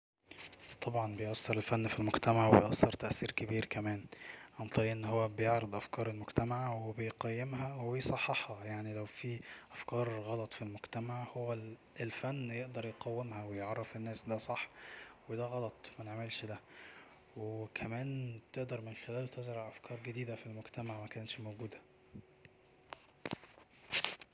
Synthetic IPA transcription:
t̪ˤɑbʕɑnbejʔɑsːeɾelfænːfilmoɡt̪æmaʕweejʔɑsːɑɾˤt̪æʔsiːɾkebiːɾkæmæːnʕɑnt̪ˤɑɾiːʔenːhowːæbejeʕɾɑd̪ˤʔæfkɑːɾˤelmoɡt̪æmaʕwebejqæjːemhæwejsˤɑħːɑħhɑjaʕnilæwfiːʔæfkɑːɾˤɣɑlɑt̪ˤfilmoɡt̪æmaʕhowːæ | elfænːjeʔd̪ɑɾˤjeqæwːemhæwejʕɑrˤːɑfenːæːsd̪æsˤɑħːwed̪æɣɑlɑt̪ˤmæneʕmelʃd̪æ | wekʰæmæːnbet̪eʔd̪ɑɾˤmenxelæːlt̪ezɾʕʔæfkʰɑːɾˤɡed̪iːd̪æfilmoɡt̪æmaʕmækænæt̪ʃmowɡuːd̪æ

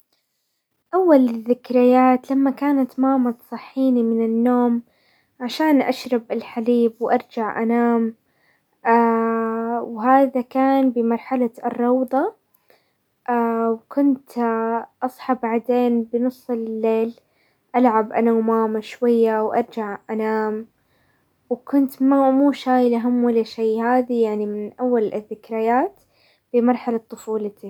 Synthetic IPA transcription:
ʔawːalðːɪkɾɪjːaːt̪lamːakaːnat̪maːmɑt̪sˤɨħːiːnimɪnɪnːoːm | ʕaʃaːnʔa̰ʃɾˤɑbʔɪlħaliːbwʔɑɾˤd͡ʒaʕʔa̰naːm | aː | wɦaːðakaːnbɪmɑɾˤħalarˤːɑwd̪ˤɑ | ʔaːwkʊnt̪ʔɑsˤħɑbaʕd̪eːnbɪnɨsˤːlɪlːeːl | ʔalʕabʔanawmaːmaʃwajːawʔɑ̰ɾˤd͡ʒaʕʔanaːm | wkʊnt̪mamuːʃaːjɪlaɦamːwalːaʃajːhaːðijaʕnimɪnʔawːalɪðːɪkɾajaːt̪ | b̥ɪmɑɾˤħalat̪ˤːʊfuːlat̪i

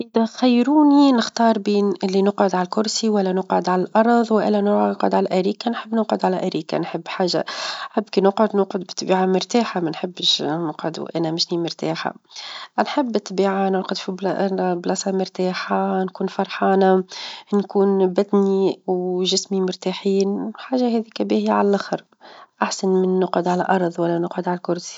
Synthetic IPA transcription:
ʔɪðæxajːɾuːninɪxt̪ɑːɾˤbiːnɪlːinʊqʕʊd̪ʕalælkʊɾsiwælːænʊqʕʊd̪ʕalælʔɑɾˤðˤwʔɪ̰lːænʊnʊqʕʊ̰d̪ʕalæʔæɾiːkanħəbːnʊqʕʊd̪ʕalæʔæɾiːka̰nħɪbːħaːʒa̰ħabːkinʊqʕʊd̪nʊqʕʊd̪bɪt̪ːbiːʕamʊɾt̪aːħamænħɪbːʃnʊqʕʊd̪ṵʔænæmɪʃnimʊɾt̪a̰ːħa̰ʔnħɪbːɪt̪ːbiːʕanʊɾqʊd̪fibblɑsɑmʊɾt̪aːħankuːnfɑɾˤħɑːnankuːnbæt̪niwʒɪsmimʊɾt̪aħiːnħaːʒahɛðiːkæbihɪjːʕalælʔaxəɾˤ | ʔaħsanmɪnːʊqʕʊd̪ʕalæʔɑɾˤðˤwælːænʊqʕʊd̪ʕalælkʊɾˤsi̥

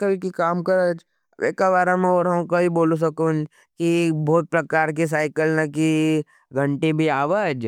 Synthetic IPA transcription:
kəlkikaːmkɐɾəd͡ʒ | ḛkabaːɾamẽɔːɾɦɐmkobiboːlos̬ɐkon | kibʱɔːt̪̚pɾɐkaːɾk̬is̬aːɪkəlnaki | ɡʱɐ̃ɳʈẽbʱiaːʋəd͡ʒ

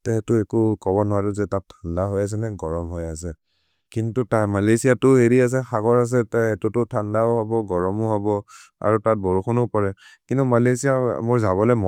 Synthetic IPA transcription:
tɛɦɛtʊɛkukɔbɔnɔwaduzɛtattʰandaɦɔjas̬ɛnɛɡɔɹɔmɦɔjas̬ɛ | kintutajmalesijatʊɦeɹias̬ɛxaɡɔɹas̬ɛtaɛtutʊtʰandaʊɦɔbɔɡɔɹɔmʊɦɔbɔa̰ɹutat̚bɔɹukʰɔnupɔɹɛkintumalesijamoɹzabɔlɛm

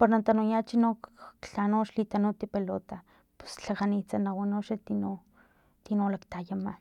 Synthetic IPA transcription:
paɾnant̪anujat͡ʃinokːɬanoʃlit̪anut̪ipelot̪a | pu̥st͡ɬakanit͡sanawanoʃat̪ino | t̪inolakt̪ajama

